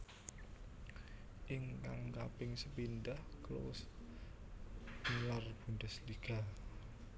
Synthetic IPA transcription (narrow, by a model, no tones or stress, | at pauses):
ʔɪŋkaŋkapɪŋsəpindahkəlo̰wʊ̰s | nlarb̥undə̤sliɡ̥a̤